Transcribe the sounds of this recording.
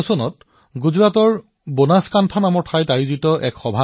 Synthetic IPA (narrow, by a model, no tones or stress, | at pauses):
sɔnɔt | ɡuzɹatɔɹ | bonaskantʰanamɔɹtʰajtajuzitɔʔɛkxɔbʱa